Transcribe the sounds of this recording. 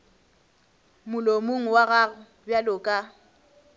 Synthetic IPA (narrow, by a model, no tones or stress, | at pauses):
mʊlomoŋ̩waɣa | bjalʊkʼa